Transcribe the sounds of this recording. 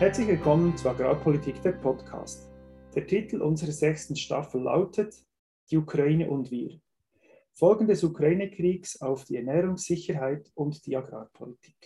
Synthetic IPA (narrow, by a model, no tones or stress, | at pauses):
hɛɐt͡slɪçvɪlkʰɔmənt͡suːɾɑɡɾaːpʰɔlitʰiːkd̥eːpʰɔtkʰa̰ːstd̥eːtʰitl̩ʔʊnzəɾəz̥ɛçstn̩ʃtɑ̰fl̩ːa̰ʊtʰət | d̥iːukɾɑiːnəʔʊndviːɾ | fɔlɡn̩dɛsukʁaiːnəkʰriːksaʊfd̥iːɛnɛːɾʊŋsɪçəɾɦaɪtʊntd̥iːɑɡʁa̰ːpʰɔlitʰi̥ːk